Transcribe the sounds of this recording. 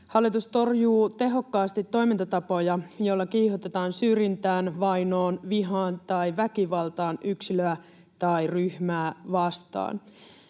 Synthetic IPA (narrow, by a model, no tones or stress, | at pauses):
hɑlːˑit̪ust̪o̞rjuːt̪e̞ɦo̞kːɑːst̪it̪ːo̞jmint̪ɑt̪ɑpo̞jɑjolːɑkiːhot̪et̪ɑːnsyːɾjint̪æːnʋɑjno̞ːnʋiɦɑːnt̪ɑjʋækiʋɑlt̪ɑːnʔyksiløæ | t̪ɑjryhmæːʋɑst̪ɑ̰ːn